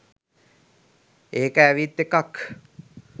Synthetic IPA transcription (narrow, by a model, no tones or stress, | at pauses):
eːkæːʋit̪ːekak